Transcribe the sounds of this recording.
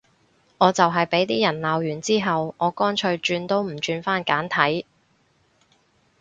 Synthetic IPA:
ŋɔː˨˧t͡sɐ˨wɦɐ˨jpe˨˥jt̪iː˥jɐ˨˩nlaː˨˧wjyː˨˩nt͡siː˥ɦɐ˨wŋɔː˨˧kɔː˥nt͡ʃʰɵ˧ɥt͡ʃyː˧nt̪o˥wm̩˨˩t͡ʃyː˧nfaː˥nkaː˨˥nt̪ʰɐ˨˥j

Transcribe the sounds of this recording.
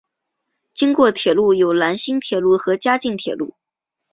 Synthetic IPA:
t͡ɕi˥ŋkwɔ˥˩t̪ʰjɛ˨˩lu˥˩jo˨˩ʊla˧˥nɕi˥ŋt̪ʰjɛ˨˩lu˥˩xɤ˧˥t͡ɕja˥t͡ɕi˥˩ŋt̪ʰjɛ˨˩lu˥˩

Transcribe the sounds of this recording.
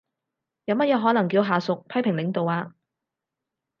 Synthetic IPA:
jɐ˨˧wmɐ˥t̚jɛː˨˧ɦɔː˨˥nɐ˨˩ŋkiː˧wɦaː˨sʊ˨k̚pʰɐ˥jpʰɪ˨˩ŋlɪ˨˧˥ŋt̪o˨waː˧

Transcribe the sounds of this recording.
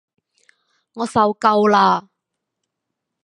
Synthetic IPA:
ŋɔː˨˧sɐ˨wkɐ˧wlaː˧

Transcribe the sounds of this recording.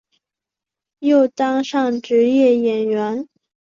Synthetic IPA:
jo˥˩ʊt̪ɑ˥ŋʂɑ˥˩ŋʈ͡ʂɻ̩˧˥jɛ˥˩jɛ˨˩nɥɛ˧˥n

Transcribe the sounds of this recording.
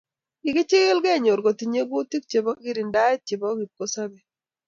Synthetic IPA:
ɪ˨ɡɪ˦t͡ʃɪ˦ɣɪ˦lɡɛ˦˨ɲo˨ɾɡo˨t̪i˨ɲe˦ɡo˦t̪i˦k̚t͡ʃe˨bɔ˦ɡi˦ɾi˨nda˦ɛ˦t̚t͡ʃe˨bɔ˦ɡi˨t̚ko˦sa˦bɛ˨

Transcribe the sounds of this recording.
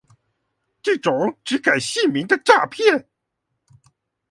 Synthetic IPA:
ʈ͡ʂɤ˥˩ʈ͡ʂʊ˨˩ŋʈ͡ʂɻ̩˧˥ka˨˩ɪɕi˥˩mi˧˥ŋd̪ə˧ʈ͡ʂa˥˧pʰjɛ˥˩n

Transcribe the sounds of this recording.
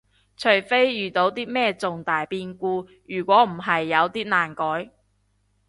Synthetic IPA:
t͡ʃʰɵ˨˩ɥfe˥jjyː˨˩t̪o˨˧wt̪iː˥mɛː˥t͡sʊ˨ŋt̪aː˨˩jpiː˧nkuː˧ | jyː˨˩kʷɔː˨˥m̩˨˩ɦɐ˨jːɐ˨˧wt̪iː˥naː˨˩nkɔː˨˥j

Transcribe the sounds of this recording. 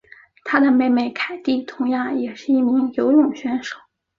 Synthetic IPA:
t̪ʰa˥d̪ə˨me˥˧ɪme˥˩ɪkʰa˨˩ɪt̪i˥˩t̪ʰʊ˧˥ŋjɑ˥˩ŋjɛ˨˩ʂɻ̩˥˧i˥˩mi˧˥ŋjo˧˥ʊɻʊ˥˩ŋɕɥɛ˧˥nʂo˨˩˦ʊ

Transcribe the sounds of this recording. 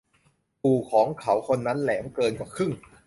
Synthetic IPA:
puː˨˩kʰɔː˨˩˦ŋkʰa˩˦wkʰo˧nːa˦˥nlɛː˩˦mkɤː˧nka˨˩kʰɯ˥˩ŋ

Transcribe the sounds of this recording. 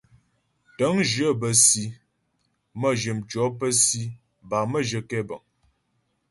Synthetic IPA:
tə˨˦ŋʒə˦˨bə˨si˨˦ | mə˦˨ʒə˨mt͡ʃɔ˨˦pə˦si˦ | ba˨mə˦˨ʒə˨kɛ˦bə˨ŋ

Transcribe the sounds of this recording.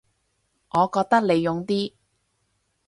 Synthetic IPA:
ŋɔː˨˧kɔː˧k̚t̪ɐ˥k̚le˨˧jːʊ˨˧ŋt̪iː˥

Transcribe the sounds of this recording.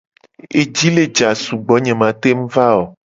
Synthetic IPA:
e˨d͡ʒi˦le˦d͡ʒa˨su˨ɡ͡bɔ˨˦ɲɛ̃˨mã˨t̪e˦m̩˦va˦o˨

